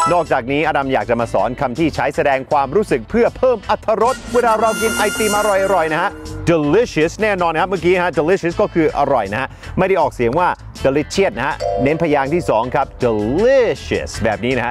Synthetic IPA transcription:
nɔː˥˩k̚t͡ɕaː˨˩k̚niː˦˥ʔa˧da˧mjaː˨˩k̚t͡ɕa˨˩maː˧sɔː˩˦nkʰa˧mt̪ʰiː˥˩t͡ɕʰa˦˥jsa˧dɛː˧ŋkʰwaː˧mɾuː˦˥sɯ˨˩k̚pʰɯ˥˩ɐpʰɤː˥˩mʔa˨˧˥t̪ʰːa˧ɾo˦˥t̪̚weː˧˩ɾaː˧ɾaː˧wɡi˧nʔa˧jt̪iː˧˩maː˧ʔɾɔ˨˩jʔa˧ɾɔ˨˩jna˦˥ha˦˥ʔde˧li˦˥si˦˥˩snɛː˥˩nɔː˧nkʰa˦˥pm˥˩k̬iː˦˥n˦ha˦˥de˧li˦˥si˦˥skɔː˥˩kʰɯː˧ʔa˧ɾɔ˨˩jna˦˥ha˦˥ | ma˥˩jɾa˥˩jʔɔː˨˩k̚si˨˩˦əŋwaː˥˩ | de˧li˦˥t̪̚t͡ɕʰi˥˩ət̪̚na˦˥ha˦˥ne˦˥npʰaː˧jaː˧ŋt̪ʰiː˥˩sɔː˩˦ŋkʰa˦˥p̚di˧li˦˥ɕḭ˦˩sbɛː˨˩p̚niː˦˥na˦˥ha˦

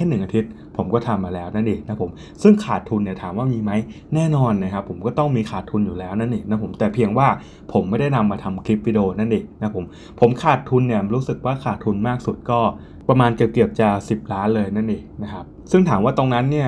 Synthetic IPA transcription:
kʰe˥˩nːɯ˨˩ŋʔa˧t̪ʰi˦˥t̪̚ | pʰo˨˩˦mkɔː˥˩t̪ʰa˧mːaː˧lɛː˦˥wna˥˩nʔiː˨˩k̚na˦˥pʰo˩˦m | sɯ˥˩ŋkʰaː˨˩t̪ʰːu˧nːi˧˩ɐt̪ʰaː˩˦mwaː˥˩miː˧ma˦˥j | nɛː˥˩nɔː˧nːa˦˥˩kʰa˦˥pʰːo˩˦mkɔː˥˩t̪ɔ˥˩ŋmiː˧kʰaː˨˩t̪ʰːu˧njuː˨˩lɛː˦˥wna˥˩nʔiː˨˩k̚na˦˥pʰo˩˦mt̪ɛː˨˩pʰi˧əŋwaː˥˩ | pʰo˩˦mːa˥˩jda˥˩jna˧mːaː˧t̪ʰa˧mkʰɾi˦˥p̚wi˦˧˩doː˧na˥˩nʔiː˨˩k̚na˦˥pʰo˩˦m | pʰo˩˦mkʰaː˨˩t̪ʰːu˧nːi˥˩ɐɾuː˦˥sɯ˨˩k̚waː˥˩kʰaː˨˩t̪ʰːu˧nmaː˥˩k̚su˨˩t̪̚kɔː˥˩ | pɾa˧maː˧nki˨˩p̚ki˨˩əp̚t͡ɕaː˨˩si˨˩p̚ɾaː˦˥nlɤː˧jna˥˩nʔiː˨˩k̚na˦˥kʰa˦˥p̚sɯ˥˩ŋt̪ʰaː˩˦mwaː˥˩t̪o˧ŋna˦˥nːi˥˩ɐ

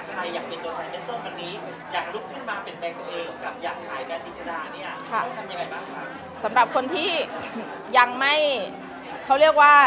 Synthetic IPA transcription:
kʰa˧jːaː˨˩k̚pe˧nt̪u˧ət̪ʰaː˨˩˦t͡ɕe˦˥t̪̚soː˥˩mbaː˧niː˦˥ | jaː˨˩k̚lu˦˥kʰːɯ˥˩nmaː˧pe˧npɛː˧ŋt̪u˧ʔeː˧ŋka˨˩p̚jaː˨˩k̚kʰaː˨˦jkaː˧ni˦t̪̚ʰa˧naː˧ni˦˥˩kʰa˧˩ɔ˥˩ŋt̪ʰa˧mja˧ŋa˧jbaː˨˩ŋʰa˧˩ŋ | sa˩˦mɾa˨˩p̚kʰo˧nt̪ʰiː˥˩ | ja˧ŋma˥˩j | kʰa˦˥wɾi˥˩ək̚waː˥˩

